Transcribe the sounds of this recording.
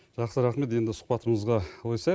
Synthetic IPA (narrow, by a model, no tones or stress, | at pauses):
ʒ̥ɑqsəɾɑχme̞t̪e̞nd̪ɪsʊ̥qpɑt̪əməzʁɑwojsɑ